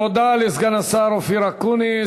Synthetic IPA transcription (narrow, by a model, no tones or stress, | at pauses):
od̪alisɡanasaɾofiɾakuni